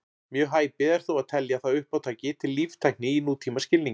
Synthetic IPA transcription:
mjœːɦaːjpɪðɛɾ̥θuwaðt̪ʰɛljaθaðʏhpawt̪ʰaːjcɪt̪ʰɪlːivt̪ʰajk̚nɪinuːt̪ʰiːmascɪlniŋ

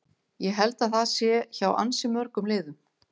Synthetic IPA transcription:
jɛɦɛlt̪aðθaðsjɛçawʔa̰nsɪmœɾkʏmlɪːðʏm

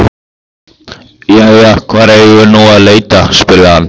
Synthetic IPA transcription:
jajakʰvaːɾɛʏnowalejt̪aspɪlːaan

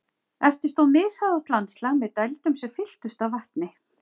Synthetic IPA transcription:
ɛft̪ɪ̥st̪owmɪːðsaðawt̪lanslamɛðt̪ajlt̪ʏmsɛmfɪl̥t̪ʏst̪awvaht̪nɪ

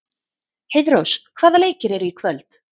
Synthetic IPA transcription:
hejðɾowskkʰv̥aːðaleːjcɪɾɛɾʏikʰvœlt̪

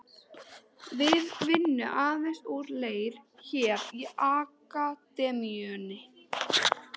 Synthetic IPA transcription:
vɪðvɪnːʏ̰ʔaːðmɛst̪uwɾleːjɾ̥çɛːɾiaːkat̪ɛːmiœnɪ

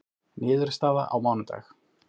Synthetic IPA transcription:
nɪːðʏɾst̪aːða̰ʔa̰wmawnʏt̪a̰ːx

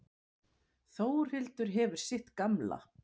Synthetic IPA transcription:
θoːwɾ̥hɪlt̪ʏɾ̥ɦɛvʏɾ̥sɪht̪kamla̰

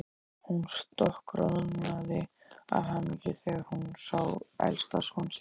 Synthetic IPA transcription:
hunst̪ɔhkɾɔðʏnmaðɪ | a̰ðɦamɛcɪθɛɣhunsaːwɛ̰lst̪ashɔns

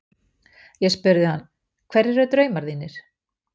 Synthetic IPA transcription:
jɛɣspʏɾðɪhanː | kʰvɛɾɛɾʏt̪ɾœːɥmaɾðiːnːɪɾ̥

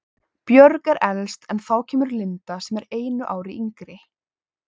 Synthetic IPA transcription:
pjœɾkɛɾʔɛlst̪ɛnθaːwcʰɛːmʏɾlɪnt̪asɛmɛɾeːjnʏʔaːwɾɪʔiŋkɾɪ

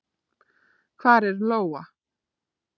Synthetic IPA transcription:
kʰvaːɾɛɾloːwa

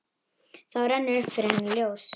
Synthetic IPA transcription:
θawɾɛnːɪɾfɪɾɛnljows

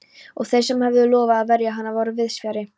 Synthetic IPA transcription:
ɔɣθejsɛmhɛvðʏlɔːvaːðvɛɾjaɦanːavɔːɾʏvɪðsvjaɾɪ

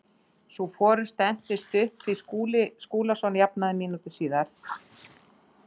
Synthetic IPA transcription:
sufɔːɾʏ̥st̪ɛn̥t̪ɪst̪ʏhpθiskuːlɪskuːlasɔnjapnaðɪmiːnut̪ɪsiːðaɾ̥

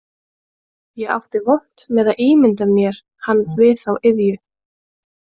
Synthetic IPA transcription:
jɛɣa̰wft̪ɪvowht̪mɛðaðʔiːmɪnt̪amjɛɾ̥ | hanːvɪθawɪðjʏ

